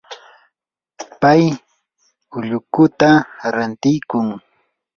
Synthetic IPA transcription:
paj | ʊʎʊkʊt̪aɾant̪ɪjkʊŋ

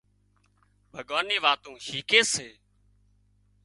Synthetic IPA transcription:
bʱəɠaːniːʋaːt̪ũːʃiːkeːseː

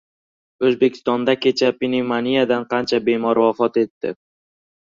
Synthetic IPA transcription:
ɵzbe̞kʲʰɪ̥st̪ɒnd̪akʲʰe̞t͡ʃʰapinimanijad̪anqʰɑnt͡ʃʰabe̞mɒɾwafɒt̪e̞t̪ːɪ̰

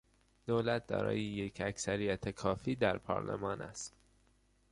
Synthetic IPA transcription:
d̪̥olæt̪̚d̪ɒ̰ːɾɒ̰ːjejecʰæksæɾijæt̪ʰekʰɒːfiːd̪æɾpʰɒ̰ːɾlḛmɒːnʔæ̰st̪

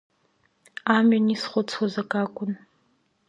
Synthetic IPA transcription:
aːminisχʷɔt͡sʰʼwɔzɐkʼaːkʷʼʊn

